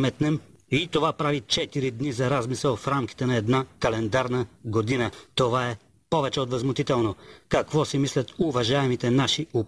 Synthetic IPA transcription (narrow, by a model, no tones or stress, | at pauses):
mɛt̪nɛmit̪ovapɾavit͡ʃɛt̪iɾid̪nizɐɾazmisɛlˠfɾamki̥t̪ɛnɐɛd̪nakɐlɛnd̪aɾnəɡod̪inət̪ovaɛ | pɔvɛt͡ʃɛod̪vɐzmʊt̪it̪ɛlˠnokɐkvɔsimislʲɐt̪ʊvɐʒaɛmit̪ɛnaʃiʊ